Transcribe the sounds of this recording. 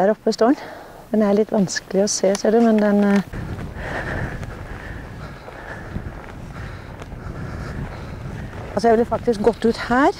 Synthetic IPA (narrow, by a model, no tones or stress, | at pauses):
æːɾɔpːəst̪oːɳ | d̪ɛnæɭɪt̪ʰːʋɑnskəlɪɔseːsiːɖʉmɛnd̪ɛn | ɑlsɔjɛʋlɪːfɑk̚t̪ɪsk̚ɡɔt̪ːʉːt̪hæːɾ